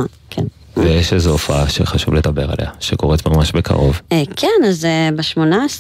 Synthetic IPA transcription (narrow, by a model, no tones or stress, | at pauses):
kʰen | vejeʃezeofaaʃḛχaʃuvled̪abe̞ʁa̰lʔeaʃeko̞ʁetmamaʃbekʰa̰ʁo̞vkʰenazebeʃmo̞nas